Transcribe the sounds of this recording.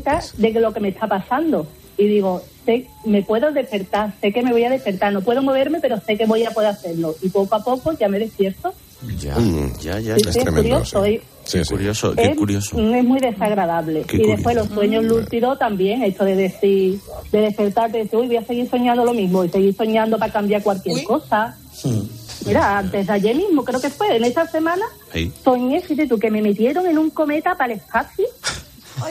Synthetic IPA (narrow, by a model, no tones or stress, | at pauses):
t̪ad̪elo̞ke̞me̞t̪ʰapasand̪o̞ | iðiɣ̞o̞se̞ | me̞pwe̞ðoðe̞hpe̞ɾt̪aɾse̞ke̞me̞βo̞jaðe̞hpe̞ɾt̪aɾno̞pwe̞ðomoβ̞e̞ɾme̞pe̞ɾo̞se̞ke̞βo̞japwe̞ðoaθe̞ɾlo̞ipo̞koapo̞koʝame̞ðe̞hpje̞ɾt̪o | aasisiekuɾjosoj | ujo̰esose̞ɦmwiðe̞saɣɾaðaβle̞iðe̞pwe̞lo̞swe̞ɲoɦlult̪iðo̞t̪ambje̞ŋe̞t͡ʃoðe̞ðe̞θid̪e̞ðe̞hpe̞ɾt̪aɾt̪eðeθiojβojase̞ɣiɾso̞ɲãnd̪o̞lo̞mĩɦmoise̞ɣiɾso̞ɲãnd̪opakambjaɾkwalkje̞ɾko̞sa | miɾaant̪e̞ɦðaʎe̞mĩɦmokɾeoke̞fwe̞ːne̞t̪ase̞mãna | so̞ɲesit̪̬et̪uke̞me̞me̞t̪je̞ɾo̞ŋe̞nũŋko̞me̞t̪apale̞hpaθju